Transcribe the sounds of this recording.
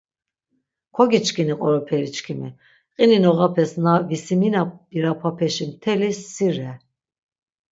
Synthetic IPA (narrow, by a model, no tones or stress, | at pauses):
kʰɔɡit͡ʃkʰiniqʼɔɾɔpʰɛɾit͡ʃkʰimɛ̰ | qʼininɔʁapʰɛsnavisiminabiɾapʰapʰɛʃimt̪ʰɛlisːiɾɛ